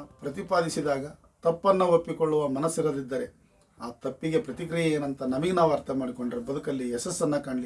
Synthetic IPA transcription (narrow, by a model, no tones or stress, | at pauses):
pɾɐt̪ipaːd̪isid̪aːɡɐ | t̪ɐpːɐnːɐopːikoɭːuʋɐmɐnɐsːiɾɐd̪id̪ːɐɾe̞ | aːt̪ɐpːiɡe̞pɾɐt̪ikɾijɐeːnɐnt̪ɐnɐmɐɡinaʋaːɾt̪ʰɐmaːɽikoɳɖɾebɐd̪ukɐlːiɛsɐsːɐnːɐkaːɳli